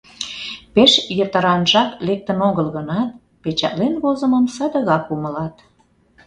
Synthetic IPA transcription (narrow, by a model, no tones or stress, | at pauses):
peʃjət̪əɾɑnʒɑklek̚t̪ənoɣəlɣənɑt̪̚ | pet͡ɕɑ̰ʔ̪lenβozə̆məmsəd̪əɣɑkumə̆lɑt̪